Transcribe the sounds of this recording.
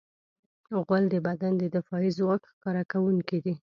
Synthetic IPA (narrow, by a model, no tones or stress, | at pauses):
ɣald̪əbad̪and̪əd̪ɪfɑizwɑkxkɑɾakawuŋkid̪i